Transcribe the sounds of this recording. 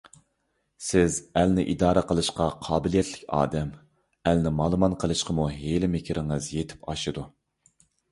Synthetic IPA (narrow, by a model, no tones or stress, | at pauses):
sɪzælnɪʔid̪ɑːɾəqʰəlˠɨʃqɑqʰɑːbɪlijɛt̪lɪkʲɑ̰ːd̪ɛm | ælnɪmɑlˠmɑnqʰəlˠɨʃqʰəmuɦelɪmɪkʲʰiɾʔɪŋɨzjet̪ʰɪ̥pɑʃɨd̪u